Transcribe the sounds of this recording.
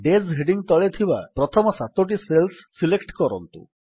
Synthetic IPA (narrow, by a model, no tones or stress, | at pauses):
ɖezɦeɖiŋt̪ɔɭet̪ʰiba̰pɾɔt̪ʰɔmɔsat̪oʈ̬iselsːilekʈkɔɾɔ̰nt̪ṵ